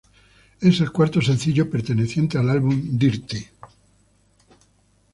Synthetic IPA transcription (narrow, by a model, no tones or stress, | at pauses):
e̞se̞lkwaɾt̪os̬ẽ̞nθiʎopeɾt̪e̞neθje̞nt̪ealalβund̪iɾt̪e